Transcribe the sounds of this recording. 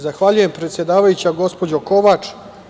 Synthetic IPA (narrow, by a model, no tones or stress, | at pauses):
zaxʋaʎuje̞mpɾet̪sje̞d̪aːʋajut͡ɕaɡo̞spo̞d͡ʑo̞ko̞ʋaːt͡ʂ